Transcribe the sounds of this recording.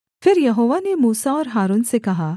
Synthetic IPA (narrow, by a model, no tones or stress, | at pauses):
fɪɾjɐɦoːʋanemuːsaɔːɾɦaːɾuːnsekɐɦa